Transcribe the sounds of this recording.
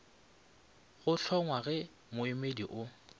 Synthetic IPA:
ɣʊɬʰɔŋwaɣɛ | mʊɪmediʔʊ

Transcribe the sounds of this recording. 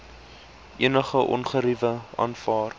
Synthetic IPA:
ʔiənəχəʔɔ̰nχəɾivəʔɑ̰nfɑːr

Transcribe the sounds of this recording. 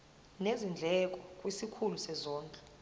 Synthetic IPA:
nezind͡ɮʱɛk̬ʼɔkʼwisikʰulusɛzɔːŋkʼɛ

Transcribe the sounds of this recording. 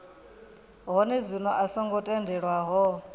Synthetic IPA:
ɦɔnɛzʷinɔʔasɔŋɡɔtʼɛndɛɺwaɦɔ

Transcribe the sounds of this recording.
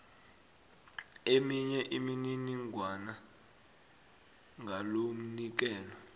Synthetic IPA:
emiɲɛʔimininiŋʱwana | ŋɡʱalom̩nik̬ɛːlɔ

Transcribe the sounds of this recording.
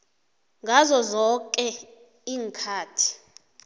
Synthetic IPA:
ŋɡʱazɔzɔkʼɛ | iːŋkʰaːtʰi̥

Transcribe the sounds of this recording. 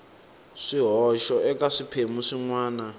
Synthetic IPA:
ʂiɦɔʃɔʔɛkaʂipʰemuʂiŋwaːna

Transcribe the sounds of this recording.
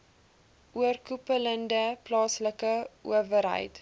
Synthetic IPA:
ʔuərkupələndəplɑːsləkəʔṵəvəɾɦə̰jt

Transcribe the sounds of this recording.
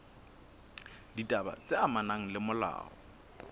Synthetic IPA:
ditʼaba̰t͡sʼeamanaŋ̩lɪmʊla̰ːɔ̰

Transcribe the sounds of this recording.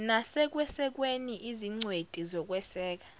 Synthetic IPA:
nasɛk̬wɛsɛk̬weniʔiziŋ͡ǀwetʼizɔk̬ʼwɛsɛːk̬ḁ

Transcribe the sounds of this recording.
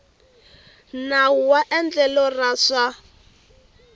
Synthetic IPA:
nauwaʔɛnd͡ɮɛlɔrasa

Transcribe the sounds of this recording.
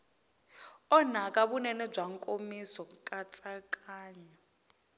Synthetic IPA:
ɔnakʼaβunɛnɛb͡ʐaŋkʼomisɔkʼat͡sʼakʼaːɲa

